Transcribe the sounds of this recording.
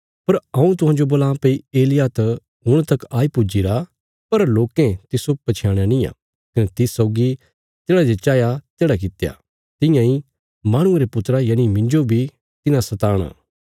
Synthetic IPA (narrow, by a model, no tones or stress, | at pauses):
pɐɾɐ̃ũt̪ʊɦãːd͡ʒoboːlãːpeieːlɪjat̪ɐ | ɦʊɽ̃t̪ɐkaːipʊd͡ʒiɾa | pɐɾloːkẽt̪ɪsopɐt͡ʃʰjaːɽ̃anĩja̰ː | kɐnet̪ɪsɔːɡi | t̪eːɽad͡ʒet͡ʃaːjat̪eːɽak̬ɪt̪ja̰ː | t̪ɪ̃jãĩ | maːɽ̃ʊ̃eɾepʊt̪ɾajaːɽ̃imɪ̃ɲd͡ʒobʱi | t̪ɪnãsɐt̪aːɽ̃a̰ː